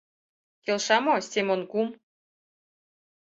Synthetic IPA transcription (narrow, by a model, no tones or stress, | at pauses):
kelʃɑmosʲt̪ʲemonkum